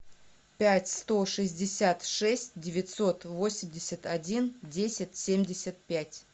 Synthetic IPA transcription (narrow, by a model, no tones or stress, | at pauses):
pʲætʲst̪o̞ʂɨzʲdʲɪsʲat̪ʂɛsʲt̚ʲdʲɪvʲɪt̪so̞t̪vo̞sʲɪmʲdʲɪsʲət̪ɐdʲindʲesʲɪtʲsʲemʲdʲɪsʲət̪̚pʲætʲ